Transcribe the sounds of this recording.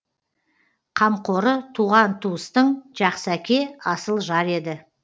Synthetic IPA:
qʰɑmqo̞ɾət̪ʰuʁɑnt̪ʰuəst̪əɴʒɑqsəækʲe̞ɑsəlˠʒɑɾe̞d̪ɪ

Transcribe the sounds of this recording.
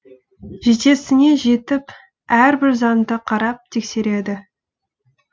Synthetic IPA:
ʒet̪e̞sɪne̞ʒe̞t̪ɪp | æɾbɪɾzɑnd̪əqʰɑɾɑp̚t̪ʰe̞kse̞ɾe̞d̪ɪ

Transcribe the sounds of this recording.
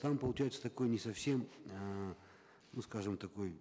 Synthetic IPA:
t̪ampəlˠʊt͡ɕæjʊt̪sə̥t̪ɐko̞jnʲɪsɐfsʲe̞mə | nuskaʐɨmt̪ɐko̞j

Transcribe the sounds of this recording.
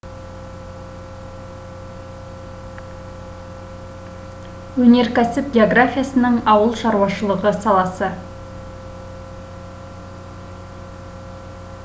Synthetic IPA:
wɵne̞ɾkʲæsɪp̚ɡʲeoɡrafʲijasənəɴɑwəlˠʃɑɾuwɑʃəlˠəʁəsɑlˠɑsə

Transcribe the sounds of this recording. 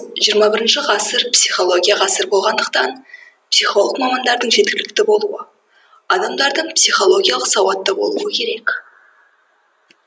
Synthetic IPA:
ʒijəɾmɑbɪɾɪnʃɪʁɑsəɾpsijχo̞lˠoɡʲijaʁɑsəɾbo̞lˠʁɑnd̪əq̚t̪ɑn | psijχo̞lˠəqmɑmɑnd̪ɑɾd̪əɴʒe̞t̪̚kʲɪlɪk̚t̪ɪbo̞lˠuə̰ | ɑd̪ɑmd̪ɑɾd̪əɴpsijχo̞lˠo̞ɡʲijalˠəqsɑwɑt̪ːəbo̞̰lˠṵəkʲʰe̞ɾe̞kʲ

